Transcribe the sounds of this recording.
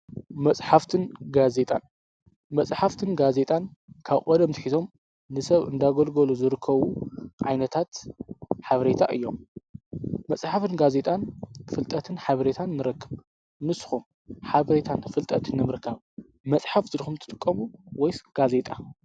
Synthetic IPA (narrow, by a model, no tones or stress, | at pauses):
mɐt͡sʼħaft̪ʰɨnɡaze̞t̪ʼa̰n | mɐt͡sʼħaft̪ʰɨnɡaze̞t̪ʼankʰaβʔʼod̪ɐmt̪ʰħit̪ʰo̞m | nɨsɐβɨnd̪aɡolɡoluzɨɾɨkʰːɐβuʕa̰jnɐt̪ʰat̪ħaβɾet̪ʰa̰ʔɨ̰jːo̞̰mː | ɐt͡sʼħafɨnɡaze̞t̪ʼanfɨlt̪ʼɐt̪ʰɨnħaβɐɾet̪ʰanːɨɾɐkːɨβ | nɨsxum | ħaβɐɾet̪ʰanfɨlt̪ʼɐt̪ʰɨnːɨmɨɾkʰaβ | mɐt͡sʼħaft̪ʰɨd̪xumt̪ʰɨt̪ʼɨ̥kʼːɐmuwɔjsɡ̥aze̞t̪ʼa